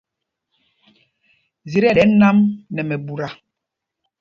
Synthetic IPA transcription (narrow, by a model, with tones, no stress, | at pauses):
zi˨ɾɛ˦˨ɛ˨˦na˦mnɛ˨mɛ˨bu˨ɾa˨